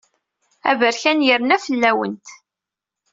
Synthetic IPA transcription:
æ̰vəɾçænjəɾnæfəlːæwə̰nt̪

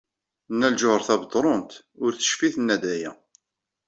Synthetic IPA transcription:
nːælʒʊhəɾˤθæbəd̪ˤɾˤont̪ | ʊɾθə̥ʃfiθnːæd̪æjæ

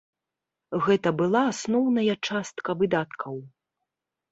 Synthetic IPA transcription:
ɣɛt̪ɐbɨlˠaːsnɔwnɐjɐt͡ʂast̪kɐvɨd̪at̪kʰɐw

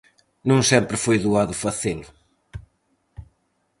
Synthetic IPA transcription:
nũŋsɛ̃mpɾɨfojðuaðʊfɐθelʊ

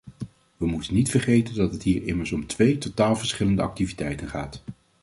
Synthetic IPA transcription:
ʋəmutənːitfəɹχejtəndɑtɦətɦiːɹɪməɹsɔmtʋejtotaːlˠvəɹsχɪləndəʔɑk̚tivitɛjtənχa̰ːt

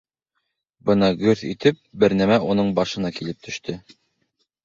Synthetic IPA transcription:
bɤnɑɡɵɾθḭt̪ɘp̚bɘ̆ɾnæmæʔunɤɴbɑʃɤ̆nɑkilɘp̚t̪ʰɵ̆ʃt̪ɵ

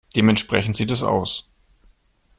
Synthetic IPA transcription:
d̥eːmɛntʃpʁ̥ɛçn̩tz̥iːtɛsa̰ʊs

